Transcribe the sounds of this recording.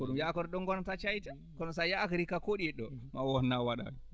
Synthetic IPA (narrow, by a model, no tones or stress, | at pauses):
kɔɗumjakɔɾɔɗɔŋɡɔnɔtat͡ʃajtɛ | kɔnɔsajaːkaɾikakoɗiɛɗːɔmawɔnːawaɗa̰ɛ